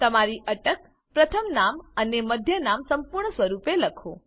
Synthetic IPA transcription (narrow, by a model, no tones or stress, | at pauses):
t̪əmaɾiʔəʈək | pɾət̪ʰəmnaməneməd̪ʱjənamsəmpuɾɳəsʋəɾupeləkʰo